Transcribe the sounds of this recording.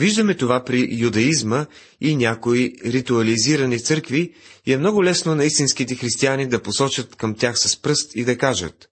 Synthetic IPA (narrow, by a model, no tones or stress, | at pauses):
viʒd̪ɐmɛt̪ovapɾijud̪ɐizmə | inʲakoiɾit̪uɐliziɾɐnit̪sɤɾkviɛmnɔɡʊlɛsnonɐist̪inskit̪ɛxɾist̪ianid̪ɐposɔt͡ʃət̪kɐmt̪ʲjaxsɐspɾɤst̪id̪ɐkaʒə̰t̪